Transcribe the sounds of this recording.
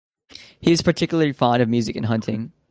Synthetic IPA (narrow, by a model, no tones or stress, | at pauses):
hiɨz̥pʰə˞tʰɪkjl̩ˠəifɑ̃ndʌvmjʉzɨkɨ̃nɦʌ̃ntʰɪ̰̃ŋ